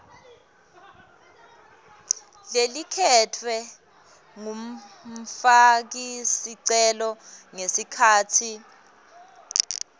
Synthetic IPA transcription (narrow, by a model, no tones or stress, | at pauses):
lelikʰɛtʰwɛ | ŋum̩fak̬isiǀɛlɔŋesikʰaːtʰi